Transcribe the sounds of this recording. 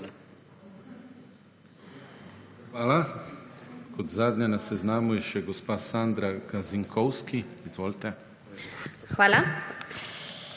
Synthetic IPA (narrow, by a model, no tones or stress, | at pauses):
xʋaːla | kɔt̪zaːd̪njanasɛznaːmujɛʃɛɡɔspaːsaːnd̪ɾaɡaziŋkʰɔwskiiz̥ʋoːlt̪ɛ | xʋaːla